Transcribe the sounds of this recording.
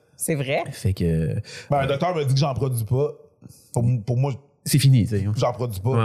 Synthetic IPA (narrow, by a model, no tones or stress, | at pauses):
sevʁɛfɛkø̰bɛ̃lə̃d̪ɔk̚t̪œːʁməd͡z̪ikʒɑ̃pχɔd̪ɥipʌ | puʁmpʊʁmwa | sefinisɛʒɑ̃pχɔd͡z̪ɥipʌ